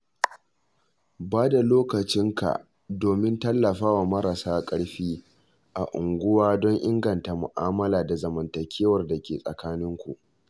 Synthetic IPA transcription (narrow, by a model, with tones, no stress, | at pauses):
baː˦da˨loː˦kɐ˨t͡ʃɪ˦ŋka̰˨ʔ | doː˨mɪ˦ntɐ˦lːɐ˨ɸaː˦wa˨mɐ˦ɾɐ˨saː˦kʼɐ˦ɽɸiː˦ | ʔa̰˨ʔʊ˨ŋɡʷʊ˦waː˦dɔ˦ŋʔɪ˦ŋɡɐ˨nta˨mʊ˨ʔaː˦mɐ˦laː˨da˨zɐ˨mɐ˨ntɐ˨kʲʰeː˦wɐ˨rda˨kʲeː˨sʼɐ̰˨kaː˦nɪ˦ŋkʷṵ˨ʔ